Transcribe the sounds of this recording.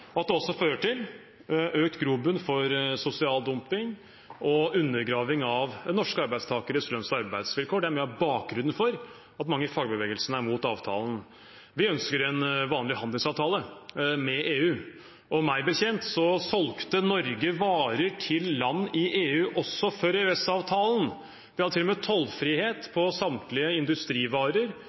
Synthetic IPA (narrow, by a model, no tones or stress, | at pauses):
ɔɑt̪̚d̪ɛɔsːɔføːɾəʈʰɪl | øːk̚t̪ɡɾuːbʉnfɔɾsʊsɪɑːld̪ʊmpɪŋ | ɔʉnːəɾɡɾɑːʋɪŋɑʋnɔʂkəɑɾbæɪst̪ʰɑːkəɾəslœnsɑɾbæɪd̪sʋɪlkʰoːɖɛæɾmɛːɑbɑːk̚ɡɾʉnːənfɔɾ | ɑt̪mɑŋːəfɑɡəbəʋeːɡəlsənəæɾmuːt̪ɑːʋt̪ʰɑ̰ːlən | ʋɪœnskəɾɛnʋɑːnlɪhɑnd̪əlŋsɑːʋt̪ʰɑːləmɛʔeːʉː | ʔɔmæɪbəçɛnt̪sɔsɔlkt̪ənɔɾɡəʋɑːɾəʈʰɪlːɑnːɪʔeːʉːʔɔsːɔfɔɾeʉɛsɑʋt̪ʰɑːlən̩ | ʋɪhɑd̪ət̪ʰɪlːɔmɛt̪ʰɔlfɾiːheːt̪pʰɔsɑmt̪lɪəɪnd̪ʉst̪ɾiːʋɑːɾəɾ